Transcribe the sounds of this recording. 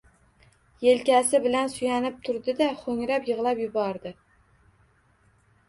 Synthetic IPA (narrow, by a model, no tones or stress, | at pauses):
je̞lkʲasɪbɪlansʊjanɪp̚t̪ʰʊɾd̪ɪd̪aχoŋɾapjɨʁlˠapjʊbɒɾd̪ɪ